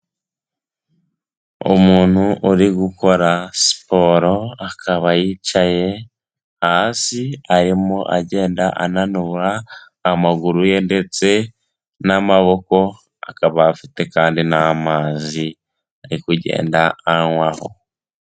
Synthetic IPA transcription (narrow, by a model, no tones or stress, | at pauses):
o̰muːn̥huʔuɾiɡuko̞ɾasi̥po̞ɾo̞akʰaβajit͡ʃaje̞ | hasiaɾimo̞ʔaɟe̞ːndaʔa̰nanuβaː | maɡuɾuje̞nde̞t͡se̞ | namaβo̞ko̞ | a̰kaβaːfite̞kaːndinamaːzi | aɾikuɟe̞̰ːndaaŋwaho̰